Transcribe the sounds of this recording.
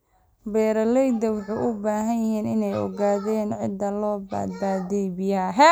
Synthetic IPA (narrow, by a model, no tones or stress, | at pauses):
bɛːɾɐlɛjd̪ɐwɑħuʔʊbaːɦɐnjɐɦiːnɪnɛjɔ̰ɣaːðɛːnʕɪ̰d̪ːɐlɔːba̰ːd̪̚baːðɛjbɪjɐɦɛ